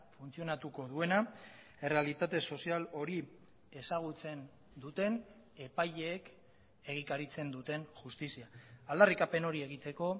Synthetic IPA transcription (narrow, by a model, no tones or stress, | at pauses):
funt͡sio̞nat̪uko̞ð̞ue̞na | e̞re̞alit̪at̪e̞so̞sialo̞ɾi | e̞saɣ̞ut͡se̞n | d̪ut̪e̞n | e̞paʎeːk | e̞ɣ̞ikaɾit͡se̞nd̪ut̪e̞nʝust̪isiaald̪arikape̞no̞ɾie̞ɣ̞it̪e̞ko̞